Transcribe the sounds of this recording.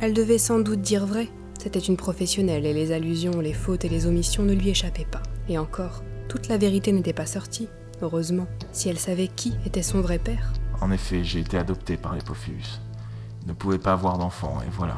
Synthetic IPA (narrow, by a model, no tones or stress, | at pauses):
ɛld̪əvɛsɑ̃d̪ut̪̚d̪iʁvʁɛ | set̪ɛt̪ynpχɔfɛsjɔnɛleːezalyzjɔ̃lefot̪elezɔmisjɔ̃nəlɥieʃapɛpaeɑ̃kɔːʁt̪ut̪laveʁit̪enet̪ɛpasɔʁt̪ʰi | øʁøzmɑ̃siɛlsavɛkʲiet̪ɛsɔ̃vʁɛpɛːʁɑ̰̃nefɛʒeːt̪ead̪ɔpt̪epaʁlepɔfiy̰s | nəpuvɛpavwaʁd̪ɑ̃fɑ̰̃ḛvwala̰